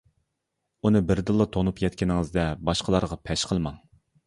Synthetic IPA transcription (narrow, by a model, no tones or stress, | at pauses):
unɨbɪɾd̪ɨlˠːɨt̪ʰonupjɛt̪̚ʲkʲinɪŋɨzd̪ɛbɑʃqʰəlˠɑɾʁɑpʰɛʃqʰəlˠmɑŋ